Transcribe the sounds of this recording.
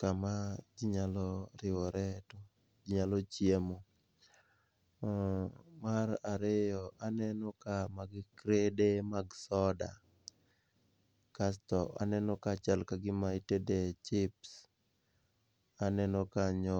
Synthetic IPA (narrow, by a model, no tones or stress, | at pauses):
kamad͡ʒiɲalɔɾɪɔɾɛto | d͡ʒiɲalɔt͡ʃjemo | maɾaɾɪjɔʔanɛnɔkamaɡɪkɾedemaɡsɔda̰ | kastɔa̰nɛnɔkat͡ʃalkaɡɪmaitedet͡ʃɪps | anɛnɔkaɲɔ